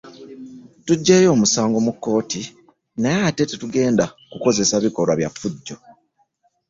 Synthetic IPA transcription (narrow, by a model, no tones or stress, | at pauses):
tuɟːeːjo̞ːmusaːŋɡo̞mukːo̞ːti | najaːte̞tetuɡe̞ːndakuko̞ze̞saβiko̞ɾwaβjafːuɟːo̞